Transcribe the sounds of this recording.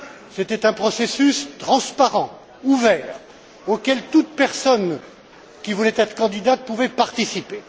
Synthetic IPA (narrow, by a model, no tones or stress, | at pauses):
set̪ɛt̪ɛ̃pχɔsesyst̪χɑ̃spaʁɑ̃ | uvɛːʁ | okʲɛlt̪ut̪̚pɛʁsɔn | kʲivulɛt̪ɛt̪χə̥kɑ̃d̪id̪at̪̚puvɛpaʁt̪isipe